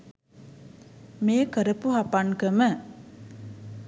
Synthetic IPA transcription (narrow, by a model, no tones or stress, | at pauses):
meːkəɾəpuɦapankəmə